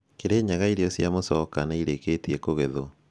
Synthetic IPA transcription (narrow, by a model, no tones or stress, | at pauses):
keɾeːɲaɣaiɾejosjamosɔkanaiɾeketiekoɣeðo